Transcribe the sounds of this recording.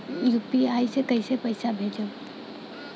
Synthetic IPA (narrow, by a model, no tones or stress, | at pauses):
jupiaːisekɐisepɐɪsabʱeːd͡ʒə